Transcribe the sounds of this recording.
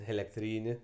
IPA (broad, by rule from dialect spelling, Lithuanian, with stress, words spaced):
ɛlʲɛkˈtʲrʲiːnʲɪ